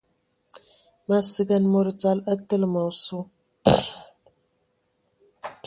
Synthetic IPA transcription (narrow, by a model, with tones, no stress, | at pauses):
ma˦sɨ˦ɡa˦nmo˦ɾt͡sa˦lə˦t̪ːɨ˦lma˨wsu˦